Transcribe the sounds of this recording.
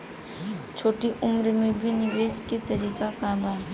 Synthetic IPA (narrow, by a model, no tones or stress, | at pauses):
t͡ʃʰoːʈiʔʊmɾmẽbʱinɪʋeːsket̪ɐɾiːkakaːbʱaː